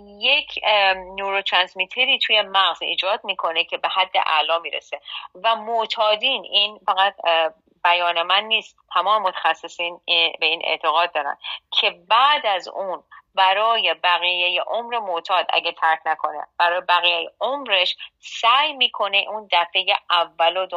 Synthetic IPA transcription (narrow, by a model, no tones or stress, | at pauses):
jecʰnuːɾot̪ʰɾænsmit̪ʰeɾiːt̪ʰuje̞mæɣzḭːd͡ʒɒːd̪̚miːkʰo̞necʰe̞be̞hæd̪ːḛʔæ̰lɒːmiːɾḛse̞væmoʔt̪ʰɒːd̪iːniːnfæɣæt̪̚ | bæjɒːne̞mænːiːst̪t̪ʰːæmɒːmemot̪ʰæ̥xæsːesiːnbe̞iːnʔḛʔt̪ʰeɣɒːd̪̚ːɒːɾæ̰nd̪cʰe̞bæd̪æzunbæɾɒːje̞bæɣijejeʔomɾe̞mot̪ʰɒːd̪ʔæ̰ɟet̪ʰæɾkʰnækʰo̞ne̞̰b̥æɾɒːjebæɣiːjejeʔomɾeʃsæjmiːkʰo̞ne̞ʔund̪æfe̞jeʔævːælod̪o